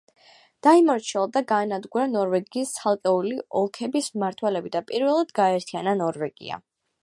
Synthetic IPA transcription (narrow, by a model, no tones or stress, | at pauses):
d̪̥aimɔɾt͡ʃʰiɛlˠd̪aɡaːnad̪ɡuɾanɔɾvɛɡiːst̪sʰalˠkʼɛuliɔlˠkʰɛbismaɾt̪ʰwɛlɛbid̪apʼiɾvɛlˠad̪ɡaɛɾt̪ʰiananɔɾvɛɡḭa̰